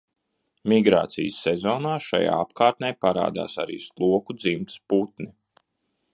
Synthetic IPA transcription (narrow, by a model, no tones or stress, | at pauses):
miɡɾa̰ːt̪sḭjəsːezoːnaːʃaja̰ːapkaːɾt̪nɛjpaɾa̰ːd̪a̰ːsaɾḭːslˠuɔkud̪zimt̪put̪ni